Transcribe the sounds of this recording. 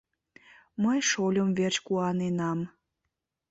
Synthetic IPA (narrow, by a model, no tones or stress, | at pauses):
məjʃolʲomvert͡ɕkuɑnenɑm